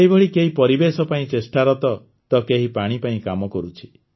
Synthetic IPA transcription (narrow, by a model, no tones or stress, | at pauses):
ɦibɔɭikeɦipɔɾibesɔpaĩt͡ʃesʈaɾɔt̪ɔ | t̪ɔkeɦipaɽ̃ipaĩkamɔkɔɾut͡ʃʰi̥